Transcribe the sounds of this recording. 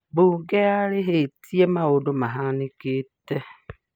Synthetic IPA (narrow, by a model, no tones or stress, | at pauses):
buɡeaɾeɦetiemaodomaɦanɪkete